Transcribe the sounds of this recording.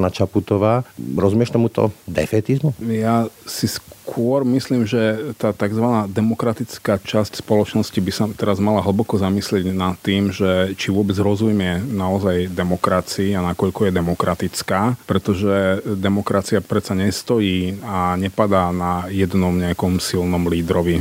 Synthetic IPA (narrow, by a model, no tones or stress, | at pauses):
nat͡ʃaput̪ɔʋaːɾɔzumɪɛʃt̪ɔmut̪ɔ̰d̪ɛ̰fɛːt̪izmujasiskkʰʊɔɾmisliːmʒɛt̪aːt̪aɡzʋanaːd̪ɛmɔkɾat̪it͡skaːt͡ʃascspɔlɔt͡ʃnɔscibisat̪ɛɾazmalaɦl̩bɔkɔzamislɪɛɟnat̪ːiːmʒɛt͡ʃiʋʊɔbɛd͡zɦɾɔzumɪɛnaɔzajd̪ɛmɔkɾat͡siːanakɔʎkɔjɛd̪ɛmɔkɾat̪it͡skaːpɾɛt̪ɔʒɛd̪ɛmɔkɾat͡siapɾɛt͡saɲɛst̪ɔjiːaɲɛpad̪aːnajɛd̪nɔmɲɛakɔmsilnɔmliːd̪ɾɔʋi